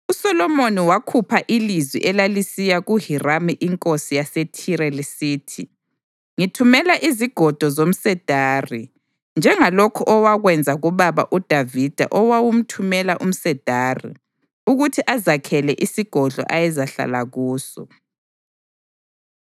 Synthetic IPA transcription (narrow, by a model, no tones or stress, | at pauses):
usɔlɔmoniwakʰupʰaʔilizwḭʔɛlalisijaɣuhiramiʔiŋkʼosijasetʰiɾɛlisiːtʰi | ŋitʰumɛlaʔiziɡ̥ʱɔd̥ʱɔzom̩sɛd̥ʱaːri | nd͡ʒʱɛŋalokʰuʔɔwaɣwɛnd͡zʱaɣuβaβa̰ʔud̥ʱavid̥ʱa̰ʔɔwawum̩tʰumɛlaʔum̩sɛd̥ʱaːrḭ | uɣutʰiʔazakʰɛlɛʔisiɡ̥ʱɔɮʱɔ̰ʔajɛzaɬa̰la̰ɣuːsɔ̰